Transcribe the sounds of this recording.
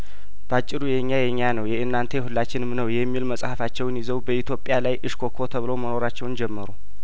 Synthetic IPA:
b̥əat͡ʃʼːɪɾujɛɲːajɛɲːanəwjɛʔɨnːant̪ʰehulːat͡ʃːɪnɨmnəwjɛmːilməsʼhəfat͡ʃːɛwnjɪzəwbəit̪ʰjo̞pʼːjalajʔɨʃkʰo̞kʰo̞t̪ʰəβɨloməno̞ɾat͡ʃːɛwnd͡ʒɛmːəɾu

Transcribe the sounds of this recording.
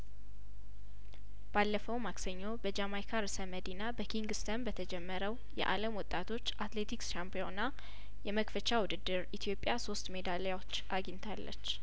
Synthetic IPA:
b̥alːəfəwmaksəɲːo̞bəd͡ʒamajkʰaɾsəməd̪inabəkʰiŋɡɨst̪ʰənbət̪ʰəd͡ʒɛmːəɾəw | jɛ̰ʔa̰ləmwɔt̪ʼːat̪ʰo̞t͡ʃːʔat̪le̞t̪ʰiksʃampijo̞na | jɛməkfət͡ʃawʊd̪ɨd̪ːɨɾit̪ʰijo̞pʼːjaso̞st̪me̞d̪aljwo̞t͡ʃːʔaɡiɲt̪ʰalːə̰t͡ʃː

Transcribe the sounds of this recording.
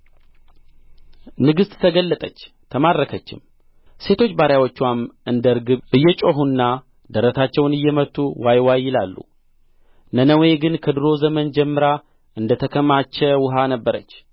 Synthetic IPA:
nɨɡɨst̪t̪ʰəɡəlːət̪ʼət͡ʃː | t̪ʰəmadːəkʰət͡ʃːɪ̰m | se̞t̪ʰo̞t͡ʃːbaɾjawot͡ʃːuwamʔɨnd̪əɾɡɨβʔɨjːɛt͡ʃʼo̞ɦunːa | d̪əɾət̪ʰat͡ʃːɛwnɨjːɛmət̪ʰʼːuwajwajːɪlalːṵ | nənəwe̞ɡɨnkʰəd̪ɨɾo̞zəmənd͡ʒɛmːɨɾa | ʔɨnd̪ət̪ʰəkʰəmat͡ʃːɛwʊɦanəbːəɾət͡ʃː

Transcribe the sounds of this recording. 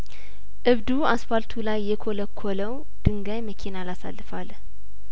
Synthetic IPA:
ʔɨβd̪uasfalt̪ʰulajːɛkʰoləkʰːoləw | d̪̥ɨŋɡajməkʰinalasa̰lːɨfal

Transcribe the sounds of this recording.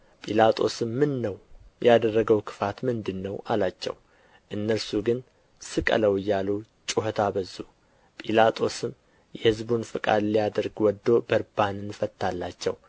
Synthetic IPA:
pʼilat̪ʼo̞sɨmːɨnːəwjad̪ərːəɡəwkʰɨ̥fat̪mɨnd̪ɨnːəwalat͡ʃːɛ̰w | ʔɨnːəɾsuɡɨn | sɨkʼə̰ləwɨjːalut͡ʃʼuɦət̪ʰabəzːu | pʼilat̪ʼo̞sɨm | jɛhɨzbunfɨkʼa̰d̪lijad̪əɾɡwɔd̪ːo̞bəɾbanɨnfət̪ʰːalːat͡ʃːɛw

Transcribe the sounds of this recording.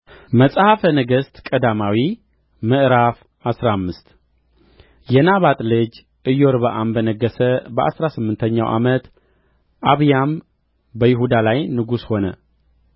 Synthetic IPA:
məsʼhafənəɡəst̪kʼəd̪amawi | mɨʔɾaf | asɾamːɨst̪ | jɛnaβat̪ʼlɨd͡ʒ | ʔɨjoɾβəʔambənəɡːəsəbəʔa̰sɾasɨmːɨnt̪ʰəɲːa̰wʔa̰mət̪ | ʔaβjam | bəjɪɦud̪alajnɨɡusho̞nə̰

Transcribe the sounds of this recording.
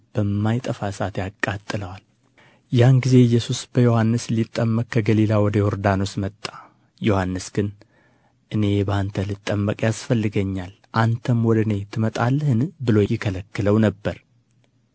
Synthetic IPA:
b̥əmːajt̪ʼəfasat̪jakʼːat̪ʼːɨləwal | janɡize̞ɨjːɛsusb̥əjo̞hanːɨslit̪ʼːəmːəkʼkʰːəɡəlilawɔd̪əhoɾd̪ano̞smət̪ʼːḁ | jo̞hanːɨsɡ̥ɨn | ʔɨne̞bəant̪ʰəlɨt̪ʼːəmːəkʼjasfəlːɨɡəɲːal | ʔant̪ʰəmwɔd̪ɨne̞t̪ʰɨmət̪ʼalːəhɨnbɨlo̞jɪkʰələkːɨləwnəbːəɾ

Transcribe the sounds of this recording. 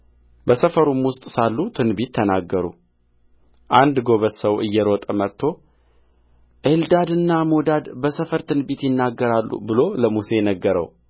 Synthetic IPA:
bəsəfəɾumwʊst̪ʼsalːut̪ʰɨnbit̪ʰːənaɡːəɾṵ | ʔand̪ɡo̞βəsəwɨjːɛɾot̪ʼəmət̪ʰːo̞ | ʔeld̪ad̪ɨnːamod̪ad̪bəsəfəɾt̪ʰɨnbit̪jɪnːaɡːəɾalːṵbɨlo̞ləmuse̞jnəɡːəɾə̰w

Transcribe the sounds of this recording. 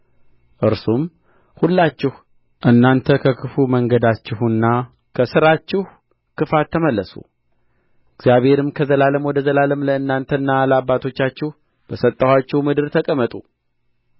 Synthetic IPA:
ʔɨɾsum | hulːat͡ʃːɪh | ʔɨnːant̪ʰəkʰəkʰɨfuməŋɡəd̪at͡ʃːɪhɨnːa | kʰəsɨɾat͡ʃːɪh | kʰɨfat̪ʰːəməlːəsṵ | ɪɡz̥jaβhe̞ɾɨmkʰəzəlaləmwɔd̪əzəlaləmləɨnːant̪ʰənːaləabːat̪ʰo̞t͡ʃːat͡ʃːɪh | b̥əsət̪ʼːəwat͡ʃːɪhmɨd̪ɨɾt̪ʰəkʼəmət̪ʼu

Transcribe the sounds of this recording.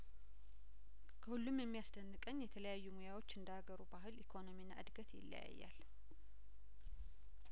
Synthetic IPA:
kʰəhulːumjɛmːijasd̪ənːɨkʼəɲːjɛt̪ʰələjajːumojawo̞t͡ʃːɨnd̪əaɡəɾubahɨlikʰo̞no̞minːaʔɨd̪ɡət̪jɪ̰lːə̰ja̰jːa̰l

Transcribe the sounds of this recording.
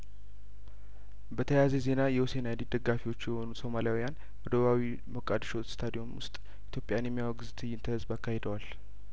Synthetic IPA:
bət̪ʰəjazeze̞najɛwose̞najd̪id̪əɡːafiwo̞t͡ʃːjɛho̞nuso̞maljawijan | wəd̪oβawi | məkʼad̪ʃot̪st̪ʰad̪io̞mwʊ̰st̪ʼ | it̪jo̞pʼjanjɛmːjawaɡɨzt̪ʰɨjːɪnt̪ʰəhɨzbakːahe̞d̪əwal

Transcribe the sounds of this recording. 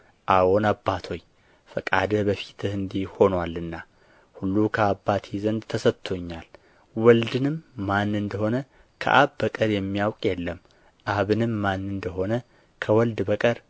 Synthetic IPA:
ʔawonabːat̪ʰo̞j | fəkʼad̪əbəfi̥t̪ʰɨhɨnd̪ihho̞nwalːɨnːa | hulːukʰəabːat̪ʰizənd̪t̪ʰəsət̪ʰo̞ɲːal | wɔld̪ɨnɨmːanːɨnd̪əho̞nə | kʰə̰ʔaβbəkʼəɾjɛmːijawkʼjɛlːəm | ʔaβɨnɨmːanːɨnd̪əɦo̞nə | kʰəwɔld̪bəkʼəɾ

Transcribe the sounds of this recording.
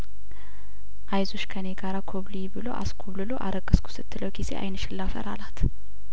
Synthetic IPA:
ʔajzo̞ʃkʰəneɡaɾakʰoβlijibɨlo̞̰ʔa̰skʰoβlɨlo̞ʔa̰ɾəɡʼəskʰu̥sɨt̪ʰːɨləwɡizeʔa̰jnɨʃɪlːafə̰ɾa̰lat̪ʰ

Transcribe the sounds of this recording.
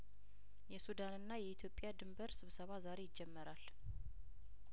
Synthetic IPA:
jɛsud̪anɨnːajɛit̪ʰjo̞pʼjad̪ɨmbəɾsɨβsəβazaɾe̞jɪd͡ʒːɛmːəɾal

